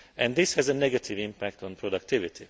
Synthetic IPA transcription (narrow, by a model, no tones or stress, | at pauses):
ɛ̃nd̪d̪ɪshɛzənɛɡat̪ʰivĩmpæk̚t̪ɔ̃npʰɾod̪ak̚t̪ivit̪ʰi